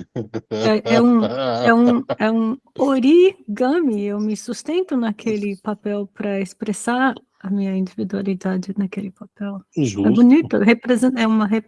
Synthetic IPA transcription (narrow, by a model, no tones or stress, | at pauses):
ɛʔɛũɛũɛũoɾiɡɐ̃miewmɪsust̪ẽnt̪ʊnɐkʰelɪpapɛwpɾɐespɾesaɾ | ɐmĩɲɐĩnd͡ʒivid̪ualid̪ad͡ʒɪnɐkelɪpapɛwɛbunit̪ʊɦepɾezẽɛũmɐɦe